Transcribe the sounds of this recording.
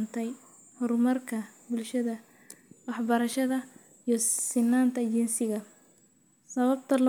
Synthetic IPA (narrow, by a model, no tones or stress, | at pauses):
nt̪ʰɛj | hɔrmɐrkʰɐbʊlʃɐðɐ | wɑħbɐɾɐʃɐðɐ | ijɔsɪnːaːnt̪ʰɐt͡ʃɛnsɪɣɐ | sɐβɐbt̪ʰɐl